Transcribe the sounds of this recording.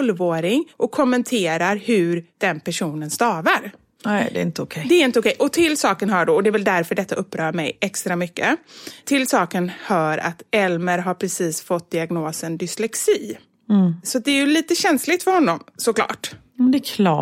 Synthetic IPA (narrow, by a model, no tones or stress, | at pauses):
lvoːɾɪŋʔɔkʰːɔmːɛnt̪ʰeːɾaɾhɵɾd̪̥ɛnpæʂuːnənst̪ɑːvaɾ | ɛd̪ɛ̰ɪnt̪əʊkʰɛd̪ɛːɾɪnt̪əʊkʰɛjʔɔt̪ʰɪlsɑːkənɦœːɖɔɔd̪ɛɾvɛld̪æɾfœɖɛt̪ʰːaʔɵpːɾœːɾmɛjʔɛkst̪ɾamʏkːət̪ʰɪlsɑːkənhœːɾa̰t̪ɛlməɾɦaɾpʰɾɛsiːsfɔt̪̚d̪ɪaɡnoːsənd̪ʏslɛksiː | sɔat̪̚d̪ɛːɾjɵliːt̪əɕɛnslɪt̪fœɾhɔnːɔmsɔkʰlɑ̰ːʈ | mɛnd̪ɛkʰlɑ